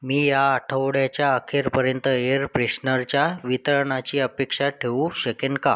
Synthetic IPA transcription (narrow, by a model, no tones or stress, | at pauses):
miːjaːʈʰəʋɽjat͡ɕjaəkʰeɾpəɾjənt̪əeɾpɾeɕnəɾt͡ɕjaʋit̪ɾəɳat͡ɕiːəpekʂaʈʰeũɕəkenka̰